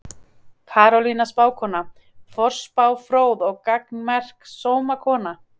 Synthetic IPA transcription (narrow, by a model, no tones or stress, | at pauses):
kʰaːɾɔlinaspaːwkʰɔːna | fɔr̥spaːwfɾoːwðɔɣkaknmɛr̥ksoːwmakʰɔːna